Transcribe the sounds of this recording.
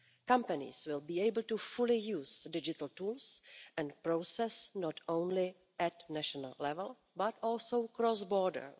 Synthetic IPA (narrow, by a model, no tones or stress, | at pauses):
kãmpanɪ̰swɪlbiːejbəl̩tufulɪjuːsdɪd͡ʒɪt̪l̩tuːlsʔɛ̃npɾowsɛsnɔt̪õwnlɪ | ʔɛtnɛʃona̰llɛvɛl | batɔːlsowkɾɔsbɔːɹdə̰ɹ